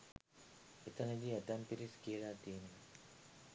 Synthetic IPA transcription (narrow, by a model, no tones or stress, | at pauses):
et̪ənəɡiːet̪ampiɾiskiəlaːt̪iːne